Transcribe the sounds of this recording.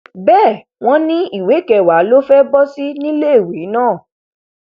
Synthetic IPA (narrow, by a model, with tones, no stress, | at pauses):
bɛː˦˨ | w̃ɔ̃˦nĩ˦i˦˨we˨˦kɛ˧˨wa˨˦lo˦fɛ˦bɔ˦si˦nĩ˦le˦i˨we˨˦nãː˦˨